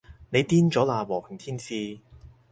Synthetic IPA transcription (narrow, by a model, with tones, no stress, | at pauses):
ne˨˧jt̪iː˥nt͡ʃɔː˨˥laː˨˩wɔː˨˩hɪ˨˩ŋt̪ʰiː˥nsiː˧